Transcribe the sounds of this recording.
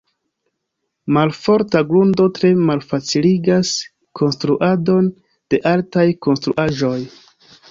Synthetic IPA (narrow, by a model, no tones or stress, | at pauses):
malfo̞ɾtaɡɾundo̞tɾe̞malfat͡siliɡas | kʰo̞nstɾuʔado̞n | d̥e̞ʔaltajko̞nstɾṵʔaʒo̞j